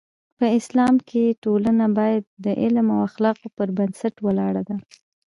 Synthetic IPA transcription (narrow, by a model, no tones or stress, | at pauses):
pəɪslɑmkʰeʈolanabɑjad̪̚ːəʔɪlmawaxlɑqopəɾbənsaʈwəlɑɽad̪a